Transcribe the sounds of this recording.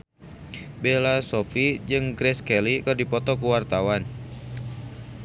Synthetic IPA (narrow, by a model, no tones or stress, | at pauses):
belasɔfid͡ʒɨŋɡɾɛskɛlikərdipɔt̪ɔkuwart̪awan